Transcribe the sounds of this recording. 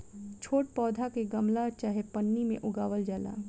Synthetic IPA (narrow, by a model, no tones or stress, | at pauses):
t͡ʃʰoːʈ̚pɔːd̪ʱakeɡɐmlat͡ʃaːɦepənːimḛ̃ʔʊɡaːʋəld͡ʒaːla̰ː